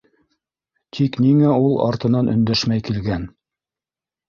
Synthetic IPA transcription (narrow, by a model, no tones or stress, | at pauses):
t̪ʰikniŋæulˠɑ̰ɾt̪ɤ̆nɑnʔɵ̆nd̪æʃmæjkilɡæn